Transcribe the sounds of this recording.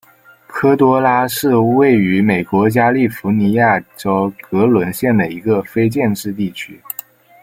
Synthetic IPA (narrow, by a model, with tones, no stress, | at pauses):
kʰɤ˥t̪wɔ˥la˥ʂɻ̩˥˧we˥˩ɪy˧˥me˨˩ɪkwɔ˧˥t͡ɕja˥li˥˩fu˧˥ni˧˥ja˥˩ʈ͡ʂo˥ʊkɤ˧˥lwə˧˥nɕjɛ˥˩nd̪ə˩i˧˥ɡə˧fe˥ɪt͡ɕjɛ˥˧nʈ͡ʂɻ̩˥˧t̪̬i˥˩t͡ɕʰy˥